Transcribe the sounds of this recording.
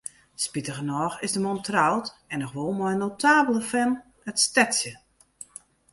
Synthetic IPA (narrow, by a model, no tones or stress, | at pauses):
spitəɣənɔːxɪzdəmɔntrawtɛnɔxʋolˠmɔjnowtʰaːbəlˠəfɛn | ətstɛtsjə